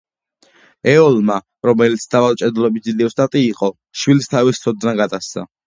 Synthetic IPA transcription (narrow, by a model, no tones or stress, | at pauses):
ɛɔlma | ɾɔmɛlit̪sʰd̪̥avalt͡ʃʼɛd̪lɔbid̪ziliɔst̪ʼat̪ʼiːqʼɔ | ʃwilist̪ʰavist̪sʰɔd̪naɡad̪ast̪sa̰